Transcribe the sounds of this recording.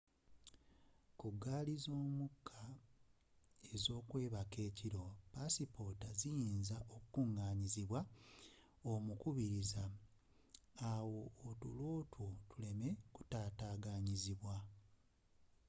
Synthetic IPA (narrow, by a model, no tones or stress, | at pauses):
kuɡaːlizo̞ːmukʰːa | e̞zo̞ːkwe̞ːβake̞ːciɾo̞pasipo̞ːtazijiːnzao̞kukuŋɡaːɲiziβwa | omukuβiɾiza | wo̞ːtṵlwo̞ːtʰwotule̞me̞ku̥taːtaːɡaɲiziβwa